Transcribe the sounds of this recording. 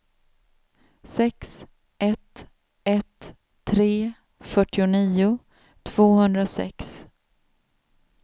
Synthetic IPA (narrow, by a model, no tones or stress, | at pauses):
sɛks | ɛt̪ | ɛt̪ʰː | ɾeː | fœʈːɪʊniːʊ | t̪ʰv̥oːhɵnd̪ɾasɛ̰ks